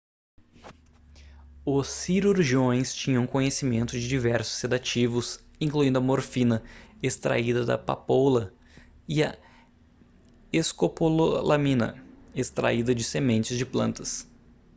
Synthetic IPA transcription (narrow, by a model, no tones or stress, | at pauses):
ʊsːiɾuɾʒiõj̃st͡ʃĩɲɐ̃ũkõɲesimẽnt̪ʊd͡ʒɪd͡ʒivɛɾsʊ̥sːed̪at͡ʃivʊs | ĩŋkluĩd̪ʊɐmoɾfĩnɐest̪ɾa̰id̪ɐd̪ɐ̰pa̰polɐ | ɪɐ | eskopololamĩnɐ̰est̪ɾa̰id̪ɐd͡ʒɪsemẽnt͡ʃɪzd͡ʒɪplɐ̃nt̪ɐs